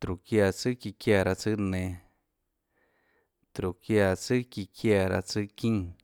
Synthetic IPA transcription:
t̪ɾu˨kja˧˨t͡sɨ˦ki˧kja˧˨ɾa˧t͡sɨ˦ʔnẽ˧ | t̪ɾu˨kja˧t͡sɨ˦ki˧kʰja˧ɾa̰˧t͡sɨ˦kĩ˦

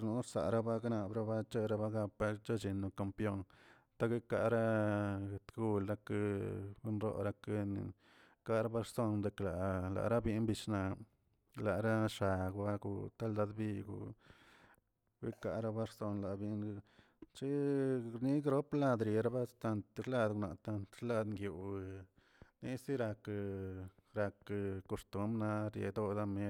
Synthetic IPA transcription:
nu˨˦ɾsa̰˨ɾa˦ba˦ɡna˨bɾa˦ba˦t͡ʃe˦ɾa˧ba˦ɡa˧pa˦t͡ʃo˦t͡ʃi˨nːo˨ka˨mpjo˦n | t̪a˦ɡe˦ka˧˨ɾa˦˨ | t̪ɡu˧lɾa˧knɾo̰˦ɾa˧kn̰˨ | ka˦ɾa˦ba˦ɾso˦nd̪e˨kla˨la̰˨ɾa˦bi˧nbi˧ʃna˧ | la˨ɾa˦ʂa˨ɡba˦ɡṵ˧t̪a˦ld̪a˧d̪bi˧ɡṵ˨ | wi˦ka˧ʔɾa˧ba˦ɾso˧nla˨bi˧n˧ | t͡ʃi˦ɾni˦ɡɾo˦pla˧d̪ɾe˨ɾa˦ba˦t̪a˧nt̪ɾla˧d̪ɡna̰˨t̪a˧nt̪ɾla˧d̪ŋɡju˨˧ | ni˦si˦ɾa˧k | ɾa˧kko˧ʂt̪u˦mna˧ɾjḛ˧d̪o˧d̪a˦me˦

